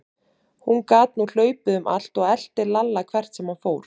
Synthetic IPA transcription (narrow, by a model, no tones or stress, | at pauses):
hunkaːt̪̚nul̥œːɥpɪðʏmʔa̰l̥t̪ɔɣɛl̥t̪ɪɾlalːakʰv̥ɛr̥t̪sɛmhanfoːwɾ̥